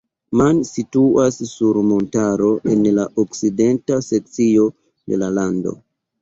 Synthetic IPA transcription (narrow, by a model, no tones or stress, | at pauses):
mansituasːuɾmo̞ntaɾo̞ʔe̞nlaʔokside̞ntase̞k̚t͡sio̞ | de̞̰lalando̞̰